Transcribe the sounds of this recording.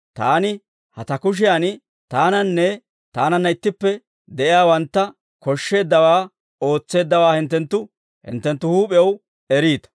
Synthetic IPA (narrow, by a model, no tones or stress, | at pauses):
t̪aːnɪ | hɐt̪ɐkʊʃ̬ɪjan | t̪aːnɐnːɛ | t̪aːnɐnːɐɪt̪ːɪpːɛ | d̪ɛʔɪjaːwɐnt̪ːɐ | kɔʃːe̞ːd̪ːɐwaː | o̞ːt͡sːe̞ːd̪ːɐwaːhɪnt̪ːɛnt̪ːʊ | hɪ̰nt̪ːɛnt̪ːʊhuːpʼɪjɛw | ɛɾiːt̪ɐ̥